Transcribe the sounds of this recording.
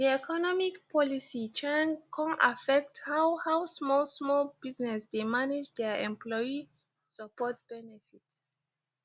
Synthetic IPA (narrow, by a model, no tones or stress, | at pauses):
diɛkʰɔnɔmikpʰɔlisit͡ʃɛ̃nkʰɔ̃na̰fɛk̚thawhawsmɔlˠsmɔlbiznɛsdemaned͡ʒdɛɛ̰̃mplɔi | səpɔtb̥ɛnɛfit